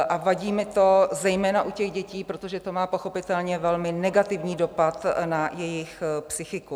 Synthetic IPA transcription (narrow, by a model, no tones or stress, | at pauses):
ʔavaɟiːmɪt̪o̞zɛjmɛːnaʔucɛɣɟɛciːpɾo̞t̪o̞ʒɛt̪o̞maːpo̞xo̞pɪt̪ɛlɲɛvɛlmɪnɛɡat̪ɪvɲiːdo̞pat̪najɛjɪxpsɪxɪku